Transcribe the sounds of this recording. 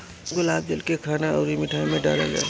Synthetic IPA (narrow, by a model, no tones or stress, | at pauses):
ɡʊlaːb̚d͡ʒɐlkekʰaːnaɔɾimɪʈʰaːjmẽɖa̰ːla̰d͡ʒa̰ː